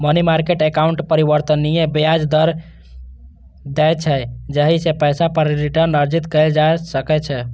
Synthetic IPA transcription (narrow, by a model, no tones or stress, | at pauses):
mənimaɾkeʈekauɳʈpəɾibəɾt̪ənːijebejad͡ʒd̪əɾ | d̪ɛjt͡ʃʰɛd͡ʒəɦisepəjsapəɾɾiʈəɾnəɾd͡ʒit̪kəɪld͡ʒasəkɛt͡ʃʰɛ